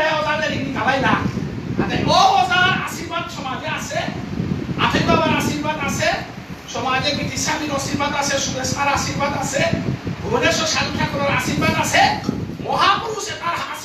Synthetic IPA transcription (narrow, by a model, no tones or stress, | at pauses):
ɛɔzaneɾinikalajla | a̰t̪ɛʔɔbɔzaɾa̰siɾbad̪sɔmad͡ʒɛase | a̰tʰɛbabaɾasiɾbad̪ase | sɔmad͡ʒɛbit̪isamiɾɔsiɾbad̪asɛsumestaɾasiɾbad̪asebɔnesɔsaŋkʰjakɔɾɔɾa̰siɾbad̪asemɔɦapuɾusɛt̪aɾa